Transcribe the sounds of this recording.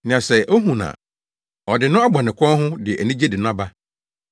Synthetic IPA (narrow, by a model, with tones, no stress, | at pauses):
nɪ̃˨ã˨sɛ˨ʔo˦ɦũ˨nã̰˨ | ɔ˨dɪ˨nʊ̃˦a˦bɔ˨nɪ̃˨kʰʷɔ̃˦nɦʊ̃˦dɪ˨ʔæ˨nĩ˦d͡ʑe˦dɪ˨nʊ̃˦a˦ba˦